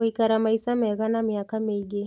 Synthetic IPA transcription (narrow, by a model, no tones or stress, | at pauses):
ikaɾamaisamɛɣanamiakamiɡi